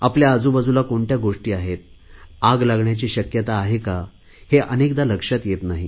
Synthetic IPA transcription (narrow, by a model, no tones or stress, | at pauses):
apljaːd͡zubəd͡zulakoɳʈjaɡoʂʈiːaɦet̪̚ | aɡlaɡɳjat͡ɕiːɕəkjət̪aːɦeka | heʔənekd̪aləkʂat̪jet̪naɦi